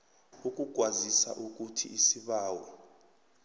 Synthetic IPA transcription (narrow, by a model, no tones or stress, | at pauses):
uk̬ʼuk̬wazisa̰ʔuk̬utʰḭːsiɓaːwɔ